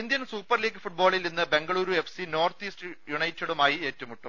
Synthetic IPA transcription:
ind̪jɐnsuːpːɐrliːɡːɨfuʈ̚bo̞ːɭilninːɨbe̞ŋɡɐɭuːɾue̞fsino̞ːrt̪iːsʈjuɳɐjtːɐɽumaːjieːtːɐmuʈːum

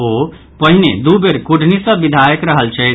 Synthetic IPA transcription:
o | pəɦined̪ubeɾkuɖʱnisə̃bid̪ʱajəkɾəɦəlt͡ʃʰɛ

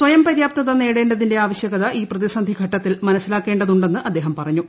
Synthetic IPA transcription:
sʋɐjɐmpɐɾjaːp̚t̪ɐðɐne̞ːɽeːndɐðinde̞aːʋɐɕjɐɣɐðɐʔiːprɐðisɐnd̪ʱiɡʱɐʈːɐt̪ːilmɐnɐsːilaːkːe̞ːɳɖɐðuɳɖe̞nːɨʔɐd̪ːe̞ːɦɐmpɐrɐɲːu

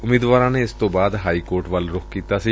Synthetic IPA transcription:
ʊmiːd̪ʋaːɾãneɪst̪õbaːd̪ɦaːikoːɾʈʋalɾʊkkiːt̪asi

